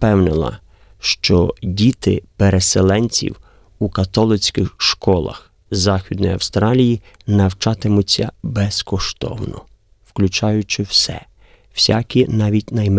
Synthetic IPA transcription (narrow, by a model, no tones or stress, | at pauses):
pɛwnɪlˠɐ̰ | ʃt͡ʃɔdʲit̪ɪ̰peɾeselˠɛnʲt͡sʲḭw | ukɐt̪ɔlˠɪt͡sʲkɪxʃkɔlˠɐ̰x | zɑxʲid̪nɔjɐ̰wst̪ɾɑlʲiji | nɐwt͡ʃɑt̪ɪmʊt͡sʲːɐbɛskɔʃt̪ɔ̰wnɔ̰ | wklʲut͡ʃɑjʊt͡ʃɪwsɛ̰ | wsʲa̰kʲinɑʋʲitʲnɐjm